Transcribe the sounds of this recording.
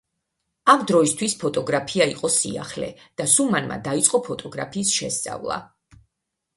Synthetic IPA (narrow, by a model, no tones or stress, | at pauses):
amd̪ɾɔist̪ʰwispʰɔt̪ʼɔɡɾapʰiaiqʼɔsḭa̰χlɛ̰d̪̥asumanma̰d̪ait̪sʼqʼɔpʰɔt̪ʼɔɡɾa̰pʰiːsʃɛst̪sʼa̰vlˠa̰